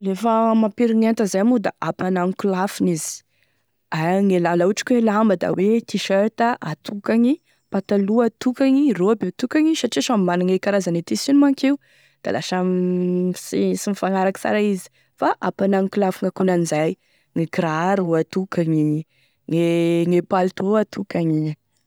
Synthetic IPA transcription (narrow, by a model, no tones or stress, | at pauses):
lefamapiɾiɲent̪azajamud̪a̰ʔapanaŋkulafinizi̥ | aŋelalauʈ͡ʂi̥kʲuelambəd̪a̰wet̪iʃaɾt̪əʔat̪ʰukaɲi | pat̪aluat̪ukaɲiroabet̪ukaɲiʃaʈ͡ʂiʃamimanaŋekaɾazanet̪isinumaŋkeu | d̪̥a̰laʃam | sisimifaŋaɾakə̥sa̰ɾaizi̥ | faʔapanaŋikulafiŋakunanizaj | ŋikɾaɾuat̪ukaŋi | ŋeŋepalt̪oat̪ʰukaɲi